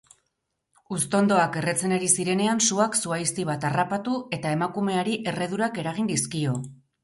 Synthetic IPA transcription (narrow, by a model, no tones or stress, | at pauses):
ust̪o̞nd̪o̞ake̞re̞t͡se̞naɾisiɾe̞ne̞ansuaksuajst̪iβ̞at̪arapat̪ue̞t̪ae̞makume̞aɾiʔe̞re̞ðuɾake̞ɾaɣind̪iskio̞